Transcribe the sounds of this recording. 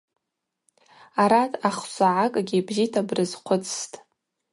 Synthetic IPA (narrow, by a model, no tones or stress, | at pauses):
aɾatʰʼaχsʷaʕakʼɡʲibzitʰabrɨzqʷʰʊt͡sʰʼstʼ